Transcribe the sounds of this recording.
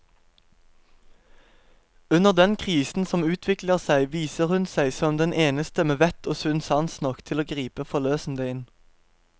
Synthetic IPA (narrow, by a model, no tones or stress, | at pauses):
ʉnəʁd̪ɛnkʰʁiːsn̩sɔmʉːt̪ʰʋɪkləʁsæɪʋiːsəʁhʉnsæɪsɔmd̪ɛnʔeːnəst̪əmeːʋɛt̪ʰoːsʉnsɑnsnɔkt̪ʰɪloːɡʁiːpəfɔʁløːsn̩d̪əɪn